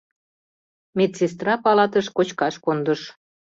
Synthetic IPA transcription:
met̪sest̪rɑpɑlɑt̪əʃkot͡ɕkɑʃkond̪əʃ

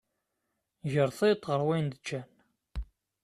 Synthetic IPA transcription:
ʝəɾˤθet̪ːˤʁəɾˤwind̪ət͡ʃːæn

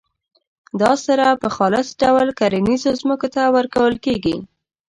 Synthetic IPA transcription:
d̪ɑsaɾapəxɑlɪsɖawlkaɾinizozməkot̪awəɾkawəlkeɡḭ

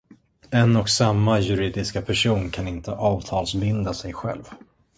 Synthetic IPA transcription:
ɛnɔksamːajɵɾiːd̪ɪskapʰæʂuːnkʰanɪnt̪əʔɑːvt̪ʰɑːlsbɪnd̪asɛjɧɛ̰lv

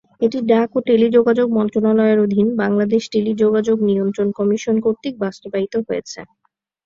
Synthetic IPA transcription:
eʈiɖakoʈelid͡ʑoɡad͡ʑoɡ̚mɔnt̪ɾonalɔeɾod̪ʱinbaŋlad̪eʃʈelid͡ʑoɡad͡ʑoɡniont̪ɾonkɔmiʃonkoɾt̪ik̚bast̪obait̪oɦojet͡ɕʰḛ

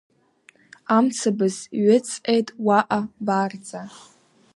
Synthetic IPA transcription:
amt͡sʰabɨzɥɪt͡sʼʔʼejtʼwaʔabard͡zʼa

